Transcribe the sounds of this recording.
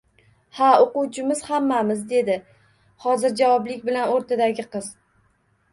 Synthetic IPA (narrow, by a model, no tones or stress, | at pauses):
haoqʊwt͡ʃʰɪmɪz̥hamːamɪzd̪e̞d̪ɪ | hɒzɪɾd͡ʒavɒblɪkʲbɪlanoɾt̪ʰad̪aɡʲɪqɨz̥